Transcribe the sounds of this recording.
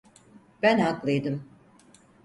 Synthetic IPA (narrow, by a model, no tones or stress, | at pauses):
b̥ænaklˠɯjd̪ɯm